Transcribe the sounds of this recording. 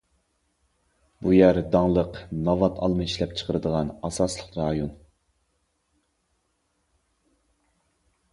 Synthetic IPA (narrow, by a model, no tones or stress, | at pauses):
bujæɾd̪ɑŋlˠəqnɑvɑt̪ʰɑlˠmɨiʃlɛp̚t͡ʃʰə̥qʰəɾɨd̪əʁɑnɑsɑslˠəqɾɑːjun